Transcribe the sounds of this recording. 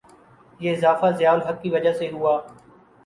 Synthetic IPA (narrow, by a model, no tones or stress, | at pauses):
jeːɪzaːfaːzɪjaːʊlɦəkːiːʋəd͡ʒaːseːɦʊaː